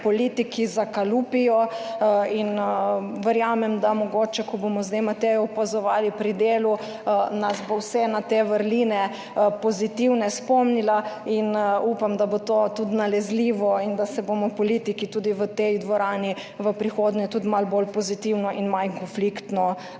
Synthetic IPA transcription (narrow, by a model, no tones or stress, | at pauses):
pɔlit̪ikizakalupijɔ | inʋəɾjaːmɛmd̪amɔɡoːt͡ʃɛkɔbomɔzd̪emat̪ɛjɔupazɔʋaːlipɾid̪eːlu | nasbowsɛnat̪eʋəɾlinɛ | pɔzit̪iwnɛspɔmnilainupamd̪abot̪oːt̪ud̪nalɛzliːʋɔind̪asɛbomɔpɔliːt̪ikit̪uːd̪iʋət̪ejd̪ʋɔɾaːni | ʋəpɾixoːd̪nɛt̪ud̪malbolpɔzit̪iwnɔʔinmajkɔnflikt̪nɔ